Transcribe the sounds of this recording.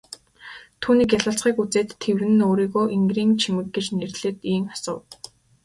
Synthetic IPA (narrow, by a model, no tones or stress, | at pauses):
t̪ʰuːniːkjaɮə̆ɬt͡sχiːkut͡seːt̪ʰːewɘ̆nɘ̆noːɾiːɣoːʔiŋɡriːŋt͡ɕʰimɘ̆k̚ɡet͡ɕnerɮɘ̆t̪iːŋḁsə̰̆w